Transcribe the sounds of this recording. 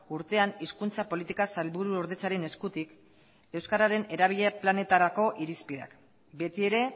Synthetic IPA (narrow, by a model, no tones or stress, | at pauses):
uɾt̪e̞aniskunt͡sapo̞lit̪ikasalβuɾuoɾðe̞t͡saɾe̞ne̞skut̪ik | e̞wskaɾaɾe̞ne̞ɾaβ̞iʎe̞plane̞t̪aɾako̞ʔiɾispiða̰k | be̞t̪ie̞ɾe̞